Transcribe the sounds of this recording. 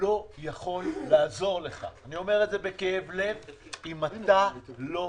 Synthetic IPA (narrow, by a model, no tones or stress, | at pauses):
o̞jaχo̞lːaːzo̞ʁle̞χa̰ːnio̞me̞ʁetze̞be̞keevle̞vimat̪alo̞